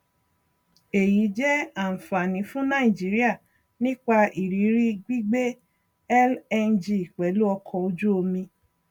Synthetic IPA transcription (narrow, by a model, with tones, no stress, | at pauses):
e˨ji˨˦d͡ʒɛ˦a˦˨fa˨nĩ˨˦fũ˦nã˦i˨d͡ʒi˨˦ɾi˦a˦˨ | nĩ˦k͡pa˧i˨ɾi˨˦ɾi˦ɡ͡bi˦ɡ͡be˦ | ɛ˦lɛ˧nd͡ʒi˨k͡pɛ˨˦lu˦ɔ˧kʰɔ˧o˧d͡ʒu˦o˧mĩ˧